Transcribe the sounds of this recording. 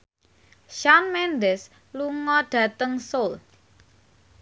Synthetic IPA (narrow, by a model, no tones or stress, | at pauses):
ʃanmɛnɖɛs | luŋɔɖ̥ä̤t̪əŋsol